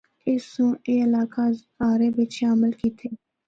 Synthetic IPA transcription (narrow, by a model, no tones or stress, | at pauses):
eːsõːeːɪlaːkaː | aːɾeːbɪt͡ʃʰeəməlkiːt̪ʰeː